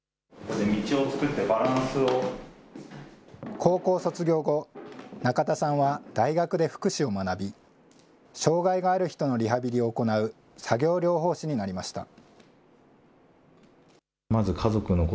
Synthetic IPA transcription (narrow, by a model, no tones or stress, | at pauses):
kod̪emʲit͡ɕio̞t͡sɨ̥kɯt̪ːe̞baɾãɰ̃sɨo | kʰo̞ːko̞ːso̞t͡sɨɡʲo̞ːɡo̞nakat̪asãɰ̃βad̪̥aiɡakɯ̟d̪e̞ɸɯ̟̥kɯ̟ɕio̞manabʲi | ɕo̞ːɡaiɡaːɾɯ̟çi̥t̪o̞no̞ɾʲiɦabʲiɾʲio̞ːko̞naɯ̟ | saɡʲo̞ːɾʲo̞ːɦo̞ːɕiɲ̟inaɾʲimaɕi̥t̪a̰ | mazɨkʰazo̞kɯ̟nok